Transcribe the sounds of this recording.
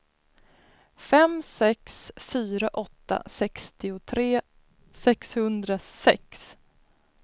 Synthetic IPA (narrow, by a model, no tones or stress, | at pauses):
fɛmsɛksfyːɾaʔɔt̪ːa̰sɛkst̪ɪʊt̪ʰɾeː | sɛkshɵnd̪ɾasɛ̰ks